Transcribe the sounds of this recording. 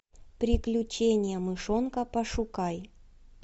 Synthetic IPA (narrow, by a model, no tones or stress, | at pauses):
pɾʲɪklʲʊt͡ɕenʲɪjəmɨʂonkəpɐʂʊkaj